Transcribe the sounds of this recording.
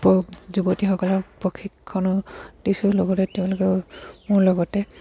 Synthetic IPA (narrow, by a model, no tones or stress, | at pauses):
pɔzubɔtixɔkɔlɔpɹɔkʰikʰːɔnɔd̥isʊlɔɡɔtɛtɛʊ̃lʊkɛmʊɹlɔɡɔtɛ